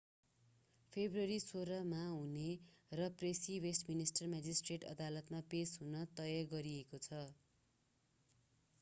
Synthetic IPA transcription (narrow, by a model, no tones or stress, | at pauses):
pʰebruʌɾisoɾʌmaɦunerʌpresiwesʈminisʈʌrmad͡zisʈreʈʌ̰d̪alʌt̪mapesɦunʌt̪ʌjʌɡʌɾiekot͡sʰʌ